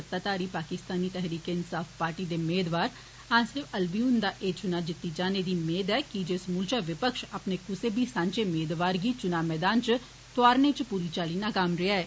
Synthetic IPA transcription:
ət̪ːaːt̪aːɾiːpaːkɪst̪aːniːt̪ɛɦɾiːkeːɪnsaːfpaːɾʈiːd̪eːmeːd̪ʋaːɾ | ãːsɪʋəlbiuːnd̪aːʔeːt͡ʃʊnaːd͡ʒɪt̪ːiːd͡ʒaːneːd̪iːmeːd̪ɛːkid͡ʒɪsmʊːlt͡ʃaːʋɪpəkʃapneːkʊseːbiːsãːɲt͡ʃeːmeːd̪ʋaːɾɡiːt͡ʃʊnaːmɛːd̪aːnt͡ʃ | t̪ʊaːɾnet͡ʃpuːɾiːt͡ʃaːliːnaːkamɾɪaːɛː

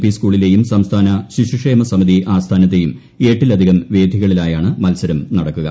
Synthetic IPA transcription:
piskuːɭile̞ːjumsɐmst̪ʰaːnɐɕiɕukʂe̞ːmɐsɐmid̪iʔaːst̪ʰaːnɐt̪̬ːe̞jum | e̞ːʈːilɐd̪ʱiɣɐmʋe̞ːd̪ʱiɣɐɭilaːjaːɳɨmɐlsɐɾɐmnɐɽɐkːuɣɐ

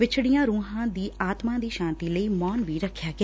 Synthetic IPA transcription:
ʋɪt͡ʃʰɽijãːɾuːɦãːd̪iːaːt̪mãːd̪iːʃãːnt̪iːləiːmɔːnʋiːɾəkʰːjaːɡɪ

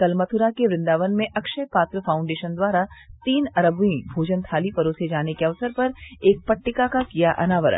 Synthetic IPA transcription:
kɐlmət̪ʰʊɾakeʋɾɪ̃nd̪aːʋənmẽʔɐkʃəjpaːt̪ɾəfʰaːʊ̃ɳɖeːʃənd̪waːɾat̪iːnɐɾəbuĩbʱoːd͡ʒənt̪ʰaːlipɐɾoːsed͡ʒaːnekeɐʋsəɾpɐɾeːk̚pɐʈːɪkakakijaʔɐ̰naːʋəɾə̰nn

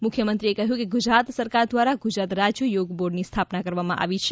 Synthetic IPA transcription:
mukʰjəmə̃nt̪ɾiekəɦjũkeɡud͡ʒɾat̪səɾkaɾd̪ʋaɾaɡud͡ʒɾat̪ɾad͡ʒjujoɡboɾɖnist̪ʰapnakəɾʋamãʔa̰ʋit͡ʃʰ

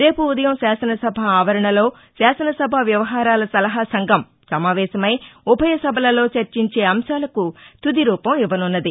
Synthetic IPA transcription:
ɾe̞ːpuːd̪ɐjɐmʃaːsɐnɐsɐbʱɐaːʋɐɾɐɳɐlo̞ː | ʃaːsɐnɐsɐbʱɐʋjɐʋɐɦaːɾaːlɐsɐlɐɦasɐŋɡʱɐm | sɐmaːʋɛːʃɐmɐjubʱɐjɐsɐbʱɐlɐlo̞ːt͡ʃɐɾt͡ʃiɲt͡ʃe̞ːɐmʃaːlɐkut̪ud̪iɾuːpɐmiʋɐnunːɐd̪i

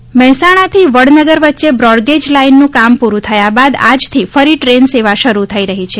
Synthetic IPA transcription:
mɛɦɛsaɽ̃at̪ʰiʋəɽnəɡəɾʋətːʃebɾɔɽɡed͡ʒlainːũkampuɾũt̪ʰəjabad̪a̰d͡ʒt̪ʰifəɾiʈɾenseʋaʃəɾut̪ʰəiɾəɦit͡ʃʰe

